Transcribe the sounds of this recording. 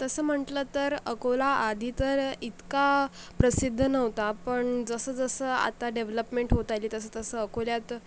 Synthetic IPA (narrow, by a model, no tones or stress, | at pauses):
t̪əsəːm̤əʈləːt̪əɾəkolaad̪ʱiːt̪əɾit̪ka | pɾəsid̪ʱːənəʋt̪apəɳd͡zəsəːd͡zəsəːa̰t̪aɖeʋləpmeɳʈɦot̪ajliːt̪əsəːt̪əsəəkoljat̪